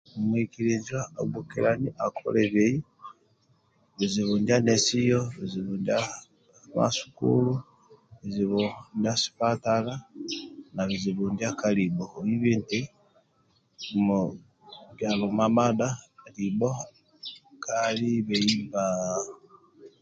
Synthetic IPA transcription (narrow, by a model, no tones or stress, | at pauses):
omwikiɾizwaoɡukḭɾaniʔakʰo̰leβei | βiziβundianesijoβiziβundia | ma̰su̥kṵlu | βiziβondiasi̥patala | naβiziβundiakaliboiβinte | mo | ɡjaβomamadalibo | kʰaliβeiba